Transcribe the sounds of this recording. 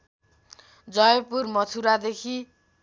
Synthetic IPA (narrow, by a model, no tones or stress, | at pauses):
d͡zʌjpurmʌt̪ʰuɾad̪ekʰi